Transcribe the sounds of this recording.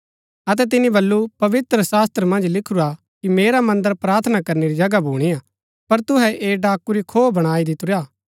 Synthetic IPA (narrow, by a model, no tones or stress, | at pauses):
ɐt̪̬ɛt̪̬ɪnibɐlːupɐʋɪt̪ɾəsaːst̪ɾəmɐ̃nd͡ʒlɪkʰuɾa | kimeːɾamɐ̃nd̪əɾpɾaːɾt̪ʰnakɐɾneɾid͡ʒɐɡabʱuːɽ̃iaː | pɐɾt̪ʊɦɛʔeːɖaːkuɾikʰoːbɐɽ̃aːid̪ɪt̪ʊɾjaː